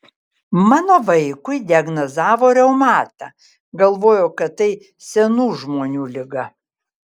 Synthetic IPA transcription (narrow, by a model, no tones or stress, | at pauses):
mɑːnoːʋɐɪkʊɪd̪ʲɪɐɡnɐzɑːʋoːɾʲɛʊmɑːt̪ɑ̰ː | ɡɐlˠʋoːjoːkɐt̪t̪ːɐɪ | sʲɛnuːʒmoːnʲuːlʲɪɡɐ